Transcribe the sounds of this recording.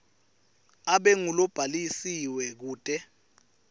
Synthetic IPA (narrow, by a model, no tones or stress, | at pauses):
aɓɛŋulɔb̥ʱalisiwɛk̬uːtʼɛ